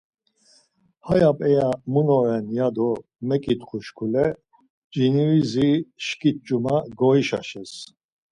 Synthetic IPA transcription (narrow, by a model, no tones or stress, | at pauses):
hajapʼɛjamunɔɾɛnjad̪ɔ | mɛkʼit̪χuʃkʰulɛ | d͡ʒinuiziʃkʼit̪̚t͡ʃʼumaɡɔiʃa̰ʃɛs